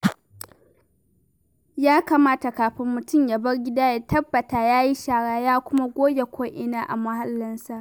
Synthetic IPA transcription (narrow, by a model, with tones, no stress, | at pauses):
jaː˦kaː˨maː˦ta˨kaː˨ɸɪ˦mːʊ˨tʊ˦mja˨bɐ˦rɡʲɪ˦daː˦ja˨tɐ˦bːɐ˨taː˨jaː˦ji˦ʃaː˨ɽaː˦jaː˦kʷʊ˦ma˦ɡʷoː˦jʲe˨kʷʰoː˦ʔɪ˦naː˦ʔa̰˨mɐ˦ɦa˦lːɐ˦nsa˨ʔ